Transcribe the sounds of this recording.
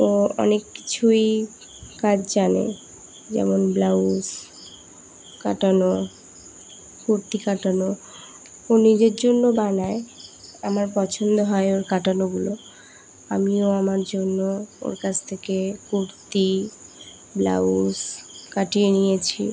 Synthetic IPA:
oɔ̰nekːi̥t͡ɕʰuj | kad͡ʑʰd͡ʑanḛ | d͡ʑɛ̰monblaus | ka̰ʈano | kuɾt̪ikaʈano | onid͡ʑeɾd͡ʑonːobanaeamaɾpɔt͡ɕʰond̪oɦɔeoɾkaʈanoɡulo | a̰mioamaɾd͡ʑonːoo̰ɾkat͡ɕʰt̪ʰekekuɾt̪i | bla̰uskaʈienijet͡ɕʰḭ

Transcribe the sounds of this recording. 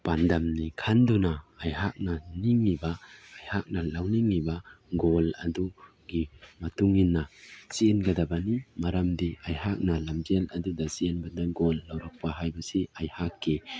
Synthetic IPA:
pandɐmnikʰandunɐːjɦak̚nɐniŋːibaːjhak̚nɐlawniŋːiba | ɡolɐdu | ɡimɐtuŋinːɐsienɡɐdɐbɐnimɐɾɐmdiajhak̚nɐlɐmd͡ʒelɐdudɐsienbɐndaɡolːawɾak̚paɦajbɐsiajhakːi

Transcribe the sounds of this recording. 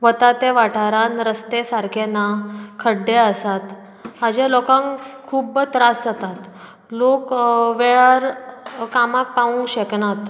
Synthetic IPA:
ʋət̪at̪eʋaʈʰaɾanɾəst̪esaɾkʰenakʰəɽːeəsat̪ | mad͡ʑelɔkãŋkʰuːbt̪ɾasət̪at̪ | lokʋeɭaɾkamak̚paũŋɡɕeknat̪

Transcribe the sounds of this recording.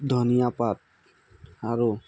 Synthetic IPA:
d̪ʱɔnijapat̪̚ | aɹu

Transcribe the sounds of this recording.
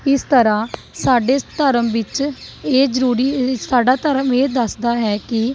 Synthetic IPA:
ɪst̪əɾãː | saːɖeːt̪əɾəmʋɪt͡ʃeːd͡ʒəɾuːɾiːsaːɖaːt̪əɾəmeːd̪əsd̪aːɦɛːkɪ

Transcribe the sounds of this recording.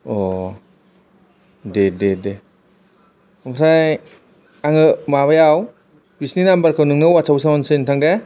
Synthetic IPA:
ɔ | dedede | mtʰaj | aŋɯmaβajaw | bisninambaɾkʰɯwnɯŋnɯwasawsawɔnsɯntʰaŋde

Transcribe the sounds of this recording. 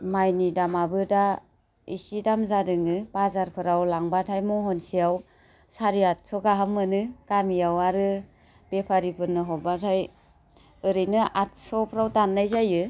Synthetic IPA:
majnidamabɯda | isidamzadɯŋɯb̥azaɾpʰɯɾawlaŋbatʰajmɔɦɔnsijaw | saɾiat̚sɔɡaɦamːɯnɯɡ̥amijawaɾɯ | b̥epʰaɾipʰɯnːɯɦɔbatʰaj | ɯɾɯjnɯat̚sɔpʰɾawtanːajzajɯ

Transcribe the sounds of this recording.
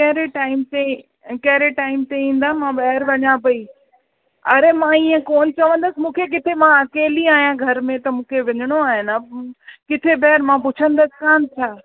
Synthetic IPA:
kɐɦɪɾeʈaːɪmt̪e | kɐɦɪɾeʈaːɪmt̪eĩːn̆d̪aːɦmãɓɐɦɪɾʋɐɲãpɐi | ɐɾemãiːə̃koːnt͡ɕɐʋə̃n̆d̪əsɪ̆mũːkʰek̬ɪt̪ʰemãɐkeːliaːɦijãɡʱɐɾmẽt̪ɐmũːkʰeʋɪɲəɽ̃oaːɦɪnakɪt̪ʰebɐɦɪɾmãpʊt͡ɕʰə̃nd̪əsɪ̥̆kãːnt͡ɕʰaː

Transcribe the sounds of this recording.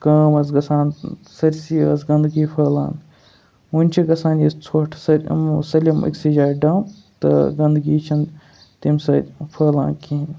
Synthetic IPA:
kɐːmɐsɡɐsaːnsɐɾʲsiɐ̰sɡɐnd̪ɡipʰɐːla̰ːn | unʲt͡ʃʰiɡɐsaːnist͡sʰoːʈʰsɐɾ̰ʲmsɐlʲimʔɐ̰ksid͡ʒaːɖɐːwn | t̪ɨ̰ɡɐnd̪ɡiːt͡ʃʰɐn | t̪imsɐɾʲpʰɐːlã̰ːnkʰiːn

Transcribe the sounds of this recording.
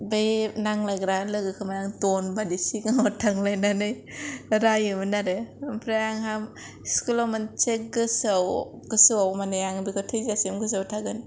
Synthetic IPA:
benaŋlajɡɾalɯɡɯkʰɯmajaŋdɔnbadisiŋaŋatʰaŋlajnanɯj | ɾajɯmɯnaɾɯmpʰɾajaŋɦam | skulamɯnt͡ʃek̚ɡɯsaw | ɡ̥ɯsɯwawmanajaŋbikʰatʰɯjzasemɡɯs̬awtʰaɡɯn

